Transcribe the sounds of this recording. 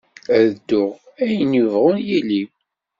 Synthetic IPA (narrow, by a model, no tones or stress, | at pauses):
ðd̪ːʊʁ | æjənuvʁʊnjili